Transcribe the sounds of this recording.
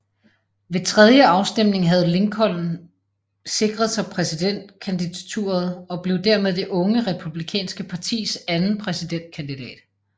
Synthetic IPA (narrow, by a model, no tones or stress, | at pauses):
ʋe̝t͡sʰʁɛðˠjəɑ̈ʊsd̥em̰ne̝ŋɦæð̞̩ˠle̝ŋkʰɒ̽l̰n̩ | se̝ɡ̥ʁɐð̞̩ˠsɑ̈ɪpʰʁɛsid̥en̰d̥̚kʰænd̥idæt͡sʰṵːɐð̞̩ˠɒ̽b̥le̝ʊd̥æɐmeð̞ˠd̥e̝ʔɔ̽ŋəʁɛpʰub̥likʰɛ̰ːnsɡ̥əpʰɑ̈t͡sʰḭːsænn̩pʰʁɛsid̥en̰d̥̚kʰænd̥id̥ɛ̰ːd̥